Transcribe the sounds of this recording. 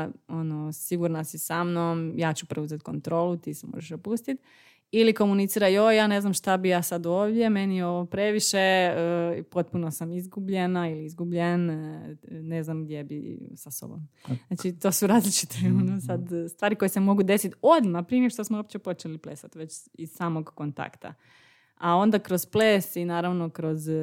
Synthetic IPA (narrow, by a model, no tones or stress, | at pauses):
onosiɡuɾnasisamnomjaːt͡ɕupɾeuzet̪̚ko̞nt̪ɾo̞ːlut̪iːsemo̰ʒeʃd̪opust̪it̪ | iliko̞munit̪siːɾajojaːne̞znamʃt̪abijaːsad̪oːʋd̪je̞me̞nijo̞ʋopɾe̞ʋiʃeəpo̞t̪̚punosamizɡubʎenailiizɡubʎen | ne̞znamɡd̪jebḭsaso̰bo̰mnat͡ʃit̪o̞ːsuɾaːzlit͡ʃi̥t̪ʰeonsad̪st̪ʋaːɾiko̞jesemo̞ɡud̪e̞sit̪o̞d̪mapɾiniʃt̪osmooːp̚t͡ɕepo̞t͡ʃelipleːsat̪ʋe̞t͡ɕiz̥saːmo̞ɡkont̪a̰kt̪a̰ | ao̞nd̪akɾozpleːsinaːɾaʋno̞kɾo̞z